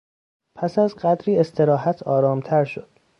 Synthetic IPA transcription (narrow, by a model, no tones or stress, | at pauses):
pʰæsæzɢæd̪ɾiːe̞st̪ʰe̞ɾɒːɦæt̪ʰɒːɾɒːmt̪ʰæɾʃo̰d̪̥